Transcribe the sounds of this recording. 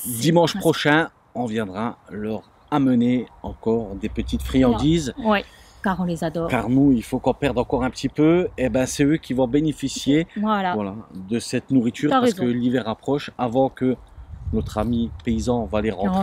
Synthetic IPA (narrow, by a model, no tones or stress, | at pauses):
d̪imɑ̃ʃpχɔʃɛ̃ | ɔ̃vjɛ̃d̪ʁalœʁ | aməneɑ̃kɔʁd̪epət̪it̪fχijɑ̃d̪izwɛ | kaʁɔ̃lezad̪ɔkaʁnuilfokɔ̃pɛʁd̪ʁɑ̃kɔʁɛ̃pət̪ipøɛbɛ̃sɛøkʲivɔ̃benefisjelvwalad̪əsɛt̪nuʁit̪yːʁʁasəkkəlivɛʁapχɔʃavɑ̃kənɔt̪χamipeizɑ̃valeʁɑ̃d̪